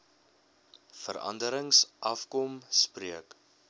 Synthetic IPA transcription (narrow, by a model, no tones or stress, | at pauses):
fəɾɐ̰ndəɾəŋsʔɐfkɔmspriək